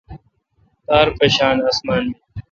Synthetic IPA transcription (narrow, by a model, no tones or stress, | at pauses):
t̪aːɾpeːɕaːnasmaːnmi